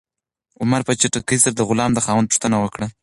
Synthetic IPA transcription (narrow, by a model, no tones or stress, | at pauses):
ʊmaɾpət͡ʃaʈakəisaɾad̪əɣʊlɑmd̪əxɑwand̪pu̥ʂt̪ənawəkɽa